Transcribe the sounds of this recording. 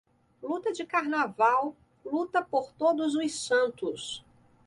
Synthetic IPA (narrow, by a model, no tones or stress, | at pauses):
lut̪ɐd͡ʒɪkaɾnavaw | lut̪ɐpoɾt̪od̪ʊzʊjsɐ̃nt̪ʊs